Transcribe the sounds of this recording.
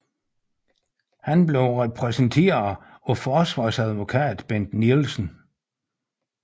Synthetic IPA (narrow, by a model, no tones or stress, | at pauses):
hænble̝ʊʁɛpʰʁɛsnt͡sʰe̝̰ːɐ | ɒ̽fɒːsʋɑ̰̈ːsæð̞ˠʋo̝kʰɛ̰ːd̥b̥end̥nilsn̩